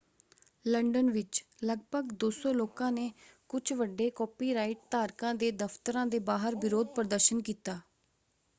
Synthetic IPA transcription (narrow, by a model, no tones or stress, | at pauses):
ləɳɖənʋɪt͡ʃləɡbəɡd̪oːsoːloːkãːneːkʊt͡ʃʰʋəɖːeːkɔːpiːɾaːɪʈ̚t̪aːɾkãːd̪eːd̪əpʰt̪əɾãːd̪eːbaːɦəɾbɪɾoːd̪̚pɾəd̪əɾʃənkiːt̪aː